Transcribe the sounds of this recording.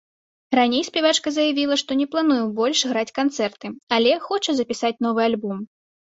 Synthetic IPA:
ranʲejspʲɛvat͡ʂkɐzɐjavʲilˠɐʂt̪ɔnʲɛplˠanujubɔlʲʂɣɾat͡sʲkant̪sɛrt̪ɨalʲɛxɔt͡ʂɐzɐpʲisat͡sʲn̪ɔvɨalʲbɔm

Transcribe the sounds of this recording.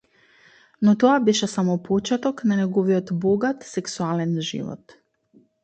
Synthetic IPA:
nɔt̪ɔabɛʃɛsamɔpɔt͡ʃɛt̪ɔknanɛɡɔvijɔt̪bɔɡat̪sɛksualɛnʒḭvɔ̰t̪

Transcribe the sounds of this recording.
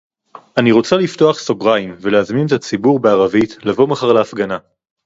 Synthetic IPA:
aniʁo̞t͡salifto̞aχso̞ɡʁaimve̞leazminetat͡sibuʁbe̞aʁavitlavo̞maχaʁleafɡana

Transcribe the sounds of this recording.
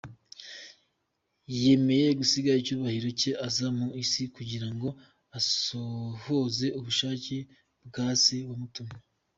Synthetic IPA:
je̞me̞je̞ɡusiɡaɾicuːβahiɾo̞ce̞ʔazamuisikuɟiɾaŋɡo̞ | asoho̞ze̞uβuʃaːce̞ | bɡaːsewamutuma

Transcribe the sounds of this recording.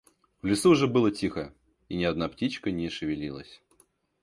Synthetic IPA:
vlʲɪsuːʐɛbɨlˠətʲixə | inʲɪɐd̪naptʲit͡ɕkənʲɪʂɨvʲɪlʲilˠə̰sʲ

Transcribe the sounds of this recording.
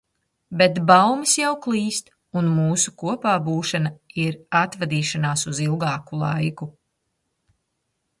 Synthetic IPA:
bet̪bawmisjawklˠiːst̪ | unmuːsukuɔpaːbuːʃanaiɾat̪vad̪iːʃanaːsuzilˠɡaːkulˠa̰jku

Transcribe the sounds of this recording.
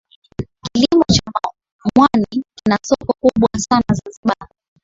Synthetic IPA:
kilimɔt͡ʃa | mwanikinasɔkɔkuɓwasanazanziɓa

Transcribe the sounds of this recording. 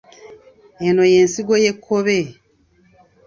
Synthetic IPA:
eno̞je̞nsiɡo̞jekʰːoβe

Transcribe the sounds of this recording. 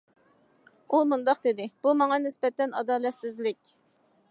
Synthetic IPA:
umund̪ɑqd̪ɪd̪ɪb̥umɑŋɑnɪsbɛt̪ːɛnɑd̪ɑːlɛt̪sɪzlɪkʲ

